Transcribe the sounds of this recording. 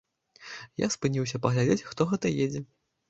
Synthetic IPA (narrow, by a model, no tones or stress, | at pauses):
ja̰spɨnʲiwsʲɐpɐɣlʲad͡zʲet͡sʲxt̪ɔɣɛt̪ɐjed͡zʲɛ